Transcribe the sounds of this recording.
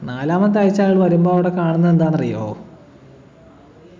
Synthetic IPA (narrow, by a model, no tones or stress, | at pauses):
naːlaːmɐnt̪ːajit͡ɕːaːjiɭʋɐɾumboːɐʋiɽekaːɳunːɐe̞nd̪aːnrijo̰ː